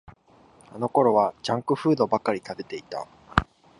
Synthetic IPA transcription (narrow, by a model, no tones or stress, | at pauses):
ano̞ko̞ɾo̞β̞ad͡ʑãŋkɯ̟ɸɯ̟ːd̪o̞bakːaɾʲit̪ad̪e̞t̪e̞it̪a̰